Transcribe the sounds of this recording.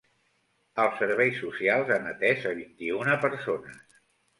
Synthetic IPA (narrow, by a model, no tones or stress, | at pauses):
əlˠsəɾβɛjsːusialˠzənət̪ɛʃəβ̞int̪iunəpəɾsonə